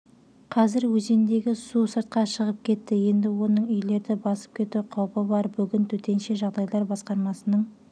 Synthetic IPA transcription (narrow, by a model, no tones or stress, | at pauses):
qʰɑzɪɾwɵze̞nd̪e̞ɡʲɪsusəɾt̪̚qɑʃəʁəp̚kʲʰe̞t̪ːɪje̞nd̪ɪwo̞nəɴʏjle̞ɾd̪ɪbɑsə̥p̚kʲʰe̞t̪uqʰɑwpəbɑɾbʏɡʲɪnt̪ʰɵt̪e̞nʃe̞ʒɑʁd̪ɑjlˠɑɾbɑsqɑɾmɑsənəɴ